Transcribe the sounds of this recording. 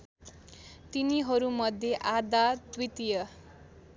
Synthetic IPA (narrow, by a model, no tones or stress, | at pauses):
t̪iniɦʌɾumʌd̪ʱjeʔad̪at̪wit̪ijʌ